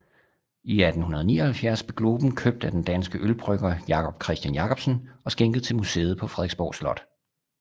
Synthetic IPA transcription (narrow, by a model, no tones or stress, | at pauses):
iæd̥n̩hunɐðˠnḭːɐɒhælfjæɐsb̥eɡ̥lo̝ːb̥n̩kʰøb̥̚d̥æd̥end̥ænsɡ̥əʔølb̥ʁœɡ̥ɐjɑ̈kʰɒ̽b̥̚kʰʁɛsd̥jænjɑ̈kʰɒ̽b̥sən̩ɒ̽sɡ̥eŋɡ̥əð̞̩ˠt͡sʰe̝lmusḛːð̩ˠpʰɒ̽fʁɛðˠeɡsb̥ɒ̰ːslɒ̽d̥